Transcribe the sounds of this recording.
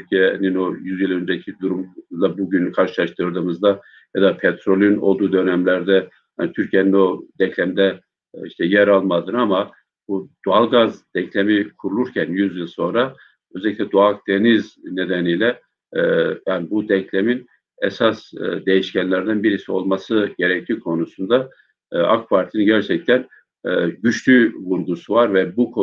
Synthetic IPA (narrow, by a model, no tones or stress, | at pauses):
t̪ʰyɾcʰijenino̞jyzjilˠø̞nd͡ʒeicʰid̪uɾumlˠabuɟynyykʰaɾʃɯlˠaʃt̪ʰɯɾd̪ɯːmɯzd̪a | jad̪apʰet̪ɾo̞lʲˠno̞̰lˠd̪uːd̪ø̞nɛmlʲæɾd̪ɛ | ha̰nit̪ʰyɾcʰijenino̞d̪ɛclʲɛmd̪ɛ | iʃt̪ʰɛjɛɾalˠmad̪ɯnama | bud̪̥ualˠɡazd̪̥ɛcʰlʲemikʰuɾulˠuɾcʰænjyzjilˠso̞nɾa | øzeɛlʲictʲɛd̪uak̚d̪̥e̞nizne̞d̪ænijlʲɛ | jaːnibud̪ɛclʲemin | ɛsasd̪e̞jiʃcænlʲæɾd̪ænbiɾisio̞̰lˠmasɯɟe̞ɾɛc̚t̪ʰiːkʰo̞nusund̪a | a̰k̚pʰaɾt̪ʰininɟæɾt͡ʃʰɛc̚t̪ʰæn | ɟyt͡ʃlyvuɾɡusuvaɾvɛbukʰo